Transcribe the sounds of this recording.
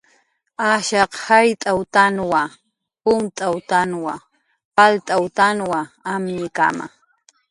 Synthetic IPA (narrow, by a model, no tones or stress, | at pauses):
aʃɑqhajt̪ʼawt̪anwa | pʊmt̪ʼawt̪anwa | palt̪ʼawt̪anwaamɲɪka̰ma̰